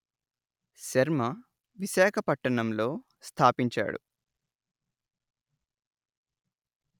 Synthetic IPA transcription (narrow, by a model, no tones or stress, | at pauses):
ʃɐɾmɐ | ʋiʃaːkʰɐpɐʈːɐɳɐmlo̞ː | st̪ʰaːpiɲt͡ʃa̰ːɽṵ